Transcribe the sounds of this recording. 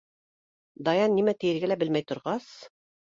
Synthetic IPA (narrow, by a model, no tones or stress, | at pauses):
d̪ɑjɑnːimæt̪ɘ̆jɘ̆ɾɡælæbɘlmæjt̪ŏɾʁɑs